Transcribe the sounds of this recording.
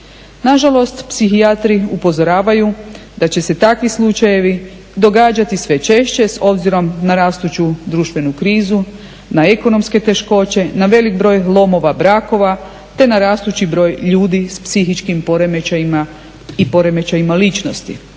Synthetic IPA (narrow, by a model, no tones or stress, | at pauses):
naʒalo̞st̪psixiat̪ɾiupo̞zoɾaːʋajud̪at͡ɕe̞se̞t̪akʋislˠut͡ʃaje̞ʋi | d̪o̞ɡaːd͡ʑat̪isʋe̞t͡ʃe̞ʃt͡ɕe̞so̞bziɾo̞mnaɾaːst̪ut͡ɕud̪ɾuʃt̪ʋe̞nukɾiːzu | nae̞ko̞no̞mske̞t̪e̞ʃko̞t͡ɕe̞naʋe̞lik̚bɾo̞ːjlˠo̞mo̞ʋabɾaːko̞ʋa | t̪e̞naɾaːst̪ut͡ɕibɾo̞ːjʎuːd̪ispsixit͡ʃkimpoɾemeaima | ipo̞ɾe̞me̞t͡ɕajimalit͡ʃno̞st̪ḭ